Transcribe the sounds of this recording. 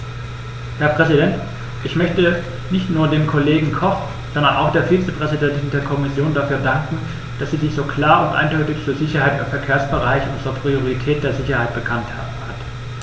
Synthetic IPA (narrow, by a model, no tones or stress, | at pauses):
hɛɐpʁ̥ɛzidɛnt | ʔɪçmœçtə | nɪçtnuːɐdeːmkʰoleːɡŋ̩kʰɔχ | z̥ɔndɐna̰ʊxd̥eːɐfiːt͡səpʁ̥ɛzidɛntɪndeːɐkʰɔmɪsjoːndafyːɐdaŋkŋ̩ | d̥asz̥iːzɪçz̥oːkl̥aːɐʊntʔa̰ɪndɔʏtɪçfuːɐzɪçɐhaɪtɪfɛɐkʰeːɐsb̥əʁaɪçʔʊnzəʁɐpʁ̥ioʁ̞itʰɛːt̚d̥eːɐzɪçɐhaɪt̚b̥əkʰantha̰ːbm̩ha̰t